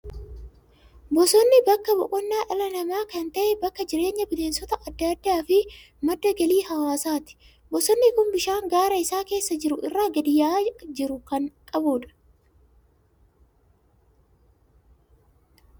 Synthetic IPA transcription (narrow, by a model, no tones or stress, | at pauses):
bɔsɔnːɪbɐkːɐbɔʔʼɔnːaːʔɐlɐnɐmaːkɐnt̪ɐʔɛbɐkːɐd͡ʒɪɾe̞ːɲːɐbɪleːnsɔt̪ɐʔɐd̪ːɐd̪ːaːfɪ | mɐd̪ːɐɡɐliːhɐwaːsaːt̪ɪ̥ | bɔsɔnːɪkʊmbɪʃaːŋɡaːɾɐɪsaːke̞ːsːɐd͡ʒɪɾʊʔɪrːaːɡɐd̪ɪjːaːd͡ʒɪɾʊkɐŋkʼɐbuːᶑɐ̥